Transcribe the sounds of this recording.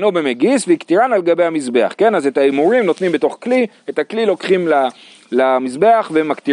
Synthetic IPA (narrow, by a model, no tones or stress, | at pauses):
nobemeɡisveikt̪iʁanaleɡabe̞jhamizbe̞a̰χke̞nazetaimuʁimno̞t̪nimbe̞to̞χkli | etaklilo̞kχimla | lamizbe̞aχvemakt̪i